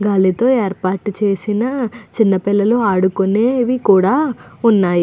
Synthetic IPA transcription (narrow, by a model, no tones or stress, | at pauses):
ɡaːlit̪o̞ːeːɾpaːɾʈt͡ʃe̞ːsinɐt͡ʃinːɐpilːɐloaːɽukuneːʋikuːɽaːunːaːji